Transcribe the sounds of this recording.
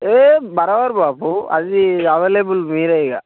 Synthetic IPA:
eːbɐɾɐʋɐɾbaːpuɐ̰ðiɐʋeːlebɯlmiːɾɐjŋɐ̰

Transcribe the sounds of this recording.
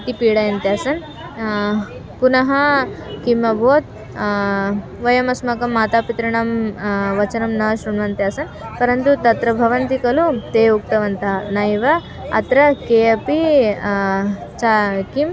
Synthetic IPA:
t̪ipiːɽɐjɐnt̪eɐsɐn | punɐɦɐkimɐbʱoːt̪̚ | ʋɐjɐmɐsmɐkɐmːaːt̪aːpit̪ɾɐɳɐmʋɐt͡ʃɐnɐmnɐʃɾuɳʋɐnt̪eɐsɐnpɐɾɐnt̪ut̪ɐt̪ɾɐbʱɐʋɐnt̪ikɐlut̪eːuk̚t̪ɐʋɐnt̪anɐjʋɐ | ɐ̰t̪ɾɐkeɐpi | t͡ʃakim

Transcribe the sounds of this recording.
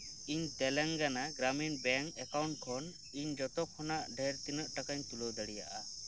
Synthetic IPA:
iɲt̪ɛlɛŋɡanaɡɾaminbɛŋkɛkawɳʈ̚kʰɔn | iɲd͡ʒɔt̪ɔkʰɔnaʔɖʱɛɾt̪inəʔʈakaɲt̪ulɔwd̪əɽija̰ʔa

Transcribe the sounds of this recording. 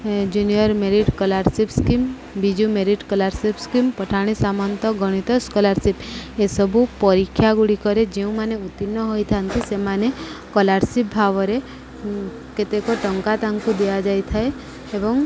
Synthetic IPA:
d͡ʒunijɔɾmeɾiʈkɔlaɾsipskim | bid͡ʒumeɾiʈkɔlaɾsipskimpɔʈʰaɽ̃isamɔnt̪ɔɡɔɽ̃it̪ɔskɔlaɾsipesɔbʱupɔɾikʰːjaɡuɽikɔɾed͡ʒeũmaneut̪inːɔɦɔjt̪ʰant̪isemanekɔlaɾsip̚bʱaʋɔɾe | ket̪ekɔʈɔŋkat̪aŋkud̪ejad͡ʒajt̪ʰae | ebɔŋ

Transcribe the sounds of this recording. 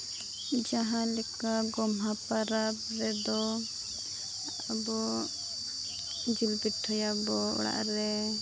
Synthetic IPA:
d͡ʒaɦãlɛkaɡɔmɦapaɾabɾɛd̪ɔ | abɔ | d͡ʒilbiʈʰːɔjabɔɔ̰ɽa̰ʔɾɛ

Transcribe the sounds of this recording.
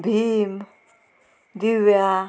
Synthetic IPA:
bim | d̪iwa

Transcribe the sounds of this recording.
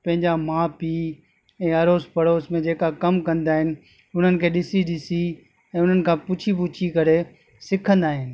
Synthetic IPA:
pɐ̃ɦɪ̃ɲd͡ʑamãːpiː | ɛ̃ːɐɾoːspɐɾoːsmẽd͡ʑeːkakɐmkɐ̃nd̪aːɦɪnɪ̆ | ʊn̤ənɪ̆kʰeːɗɪsiɗɪsi | ɛ̃ːʊn̤ənɪ̆kʰãːpʊt͡ɕʰipʊt͡ɕʰikɐɾe | sɪkʰə̃nd̪aːɦɪnɪ̆

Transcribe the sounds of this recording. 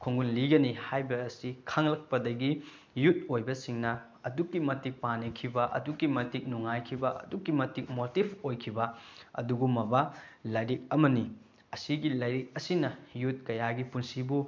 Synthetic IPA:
kʰuŋɡunliɡɐnihajbɐːsikʰaŋlɐk̚pɐdɐɡi | jut̚ojbɐsiŋnɐ | ɐdukːimɐtik̚panikʰibɐʔɐ̰dukːimɐtik̚nuŋajkʰibɐʔɐ̰dukːimɐtik̚motibʰojkʰibɐɐ̰duɡumɐbɐlajɾik̚ɐmɐni | ɐsiɡilɐjɾik̚ɐsinɐjut̚kɐjaɡipunsibu

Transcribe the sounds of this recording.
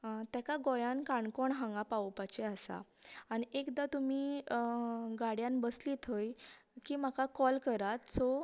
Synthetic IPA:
t̪jakaɡojankaɳkoɳɦãŋɡapaopat͡ɕeasa̰ːñiekd̪at̪umiː | ɡaɽjanbəsliːt̪ʰəj | kiːmakakɔlkəɾat̪t͡sɔ

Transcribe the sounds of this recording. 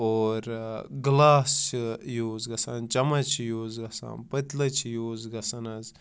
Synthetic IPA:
oːɾɡlaːst͡ʃʰijoːzɡɐsannt͡ʃɐmɐt͡ʃʰijoːzɡɐsa̰ːnpət̪lɐt͡ʃʰijoːzɡɐsɐnɐz

